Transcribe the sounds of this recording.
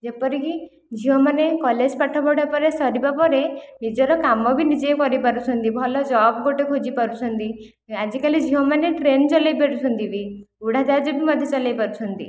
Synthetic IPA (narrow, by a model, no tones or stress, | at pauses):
d͡ʒepɔɾiki | d͡ʒʱiomanekɔled͡ʒpaʈʰɔbɔɽapɔɾesɔɾibapɔɾenid͡ʒɔɾɔkamɔbʱinid͡ʒekɔɾipaɾut͡ʃʰɔnt̪ibʱɔlɔd͡ʒɔbɡoʈekʰod͡ʒipaɾut͡ʃʰɔnt̪i | ad͡ʒikalid͡ʒʱiɦɔmaneʈɾent͡ʃɔlajpeɾut͡ʃʰɔnt̪ibi | uɽad͡ʒad͡ʒiʈimɔd̪ʱjɔt͡ʃɔlajpaɾut͡ʃʰɔnt̪ḭ